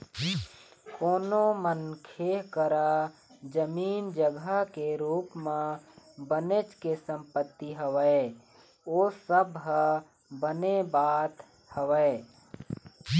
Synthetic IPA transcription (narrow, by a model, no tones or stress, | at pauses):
koːnomənkʰeːɦkəɾad͡ʒəmiːnd͡ʒəɡakeɾuːpmẽbənet͡ʃkesə̃mpət̪ːiɦəʋə | oːsəbʱɦə | bənebaːt̪ | həʋəː